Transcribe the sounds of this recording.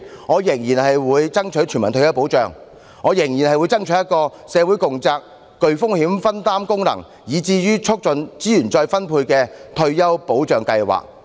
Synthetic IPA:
ŋɔː˨˧jɪ˨˩ŋjiː˨˩nhɐ˨jwuː˨˧jt͡sɐ˥ŋt͡ʃʰɵ˨˥jt͡ʃʰy˨˩mɐ˨˩nt̪ʰjɐ˥wpo˨˥wt͡ʃœː˨ŋ | ŋɔː˨˧jɪ˨˩ŋji˨˩nhɐ˨jwu˨˧jt͡sɐ˥ŋt͡ʃʰjɐ˥t̚kɔː˧ | sɛː˨˧wu˨˥jkʊ˨ŋt͡saː˧k̚ː | ɵ˧ɥfʊ˥ŋhiː˨˥mfɐ˥nt̪aː˥mkʊ˥ŋnɐ̰˨˩ŋ | jiː˨˧t͡siː˧jyː˥t͡ʃʰʊ˥k̚t͡sɵ˨˧nt͡siː˥jyː˨˩nt͡sɔː˧jfɐ˥npʰuː˧jkɛː˧t̪ʰɵ˧ɥjɐ˥wpo˨˥wt͡ʃœː˨ŋkɐ˧jwa̰ː˨˩k̚

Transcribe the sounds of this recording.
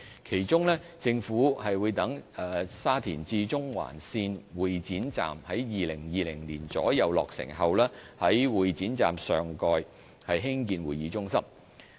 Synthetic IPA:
kʰe˨˩jt͡sʊ˥ŋlɛː˥ | t͡sɪ˧ŋfuː˨˥hɐ˨jwuː˨˧jt̪ɐ˨˥ŋɛː˨˧saː˥t̪ʰḭː˨˩nt͡siː˧t͡sʊ˥ŋwa̰ː˨˩nsiː˧nwuː˨˩jt͡siː˨˥nt͡sa̰ː˨mhɐ˨˥jjiː˨lɪ˨˩ŋjiː˨lɪ˨˩ŋliː˨˩nt͡sɔ̰ː˨˥jɐ˨˧wlɔː˨k̚sɪ̰˨˩ŋɦɐ˨wlɛː˥hɐ˨˥jwuː˨˩jt͡siː˨˥nt͡sa̰ː˨msœː˨ŋkɔː˧j | hɐ˨jɦɪ˥ŋkiː˧nwuː˨jiː˨˧t͡sʊ˥ŋsɐ˥m

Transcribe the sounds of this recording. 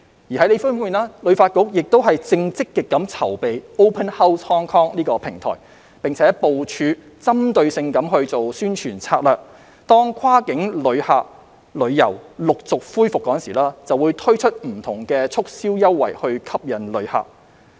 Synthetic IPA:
jiː˨˩hɐ˨˥jle˨˧jfu˥nwuː˨naː˥lɵ˨˧ɥfaː˧t̚kʊ˨˥k̚jɪ˨k̚t̪o˥wɦɐ˨jt͡sɪ˧ŋt͡sɪ˥kːɪ˨kːɐ˨˥mt͡sʰɐ˨˩wpe˨jo˥wpʰɐ˥nhɐ˥wʰɔː˥ŋkʰɔː˥ŋniː˥kɔː˧pʰɪ˨˩ŋt̪ʰɔ̰ː˨˩j | pɪ˨˩ŋt͡sʰɛː˨˦˥po˨wt͡ʃʰyː˨˧ | t͡sɐ˥mt̪ɵ˧ɥsɪ˧ŋkɐ˨˥mɦɵ˧ɥt͡so˨wsyː˥nt͡ʃʰyː˨˩nt͡sʰaː˧t̚lœː˨k̚ | t̪ɔː˥ŋkʰaː˥kɪ˨˥ŋlɵ˨˧ɥhaː˨k̚ | lɵ˨˧ɥjɐ̰˨˩wlʊ˨k̚t͡sʊ˨k̚fuː˥jfʊ˨kːɔː˨˦˥nsiː˨˩laː˥t͡sɐ˨wːuː˨˧jt̪ʰɵ˥ɥt͡ʃʰɵ˥t̚m̩˨˩t̪ʰʊ˨˩ŋkɛː˧t͡sʰʊ˥k̚siː˥wjɐ˥wːɐ̰˨˩jhɵ˧ɥkʰɐ˥p̚jɐ˨˩nlɵ˨˧ɥha̰ː˨k̚

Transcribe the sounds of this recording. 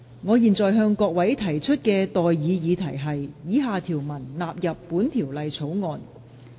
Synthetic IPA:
ŋɔː˨˧jiː˨˩nt͡sɔː˨jɦœː˧ŋkɔː˧k̚wɐ˨˥jt̪ʰɐ˨˩jt͡ʃʰɵ˥t̚kɛː˧t̪ɔː˨jjiː˨˧jiː˨˧t̪ʰɐ˨˩jɦɐ˨jːiː˨˥ɦaː˨˧t̪ʰiː˨˩wmɐ˨˩nlaː˨p̚jɐ˨pːuː˨˥nt̪ʰiː˨˩wlɐ˨jt͡sʰo˨˥wŋɔː˨˧n

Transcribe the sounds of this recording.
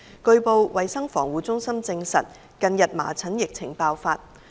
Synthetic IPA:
kɵ˧ɥpo˨˧wwɐ˨jsɐ˥ŋfɔ̰ː˨˩ŋwuː˨˥t͡sʊ˥ŋsɐ˥mt͡sɪ˧ŋsɐ̰˨t̚ | kɐ˧njɐ˨t̚ma̰ː˨˩t͡sʰɐ˨˥njɪ˨k̚t͡sʰɪ˨˩ŋpaː˧wfaː˧t̚

